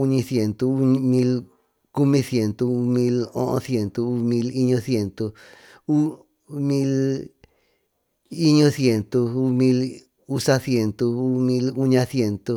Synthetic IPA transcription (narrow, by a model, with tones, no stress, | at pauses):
u˧ɲĩ˧sje˧nt̪o˧ɲ˧mĩ˧l | ku˦mĩ˧sje˧nt̪o˧u˧mĩ˧lõ̰˦õ̰˧sje˧nt̪o˧u˧mĩ˧li˧ɲõ˧sje˧nt̪o˧ | u˦ | mĩ˦l | i˦ɲõ˦sje˧nt̪o˧u˧mĩ˧l | u˦sa˧sje˧nt̪o˧u˦mĩ˧lu˦ɲã˧sje˧nt̪o˧